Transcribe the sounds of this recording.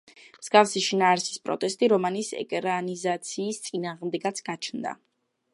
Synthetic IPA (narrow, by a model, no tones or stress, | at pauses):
msɡ̥afsiʃinaːɾsi̥spʼɾɔ̰t̪ʼɛst̪ʼiɾɔmanisɛ̰kʼɾanizat̪sʰiːst̪sʼinaːʁmd̪ɛɡat̪sʰɡ̥at͡ʃʰnd̪a̰